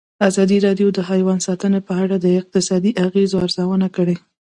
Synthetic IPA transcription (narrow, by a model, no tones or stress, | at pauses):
azɑd̪iɾɑɖjod̪əɦɑjwansɑt̪ənepəaɽad̪əɪq̚t̪ɪsɑd̪iʔaɣezoaɾzawənakəɽe